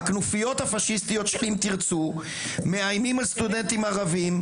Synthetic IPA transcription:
knufijo̞t̪hafaʃist̪ijo̞t̪ʃelimt̪iʁt͡su | meajmimalst̪ud̪e̞nt̪imaʁavim

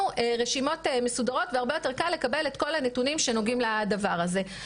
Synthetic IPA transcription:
ueʁeʃimo̞teme̞sudaʁo̞t̪veaʁbe̞jo̞te̞ʁkalːe̞kabe̞let̚ko̞lanetunimʃe̞no̞ɡimladavaʁaze̞

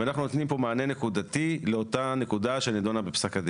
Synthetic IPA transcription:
eanaχnuno̞t̪nimpo̞maːne̞ne̞kud̪at̪ile̞o̞t̪ane̞kud̪aʃeanid̪onabepsakad̪e

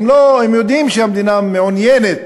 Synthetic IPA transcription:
mloemjod̪imʃeamed̪inameonjenet̪

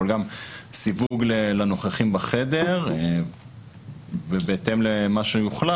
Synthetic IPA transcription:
olɡamsivuɡlelano̞χaχimbaχed̪eʁ | bebeːt̪emlemaʃejuχla

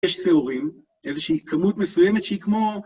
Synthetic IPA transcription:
eʃseuʁim | ʔezeʃiikʰamutmesujemetʃeikmo̞

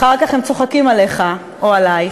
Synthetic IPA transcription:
χaʁkaχemt͡so̞χakimale̞χa | ʔoalaj

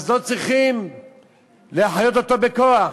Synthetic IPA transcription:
zlo̞t͡sʁiχim | leaħajo̞t̪ot̪obekoa

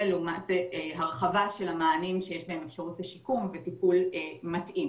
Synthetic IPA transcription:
elomatzeeɦaʁχavaʃe̞lhamaːnimʃejeʃbaɦe̞mefʃaʁutbeʃikumvetipulematʔim

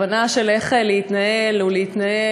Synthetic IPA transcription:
anaʃeleχeleit̪naelulehit̪nae

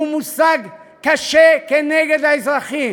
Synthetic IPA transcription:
umusaɡ | kːaʃekenɛɡedaisʁaχim

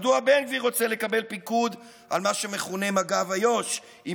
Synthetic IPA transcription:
duabe̞nviʁo̞t͡sele̞kabe̞lpikud̪ | a̰lmaʃe̞meχune̞maɡavajo̞ʃ | i

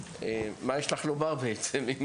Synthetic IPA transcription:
emajɛʃlaχlobaʁbeet͡semim

